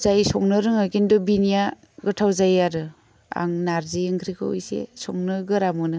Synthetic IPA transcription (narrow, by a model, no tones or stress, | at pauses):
zajsɔŋnɯɾɯŋɯkindɔbinija | ɡɯtʰawzajaɾɯ | a̰ŋnaɾziɯŋkʰɾikʰɯwṵjsḛsɔŋnɯɡɯɾamɯnɯ